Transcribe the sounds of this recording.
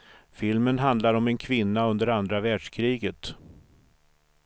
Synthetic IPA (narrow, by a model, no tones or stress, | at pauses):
fɪlmənɦand̪laɾɔmɛnkʰvɪnːaɵnd̪əɾand̪ɾavæːɖʂkʰɾiːɡət̪